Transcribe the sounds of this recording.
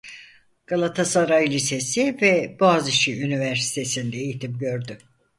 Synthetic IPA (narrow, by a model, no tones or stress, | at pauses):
ɡ̥alˠat̪ʰasaɾajlʲise̞sivɛboazɯʃiynivæɾsi̥t̪ʰe̞sind̪ɛejit̪ʰimɟø̞ɾd̪y